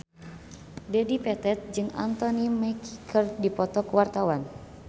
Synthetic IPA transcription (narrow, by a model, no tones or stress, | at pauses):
dɛdipɛt̪ɛt̪̚d͡ʒɨŋa̰nt̪ɔnimɛkikʰərdipɔt̪ɔkəwart̪awan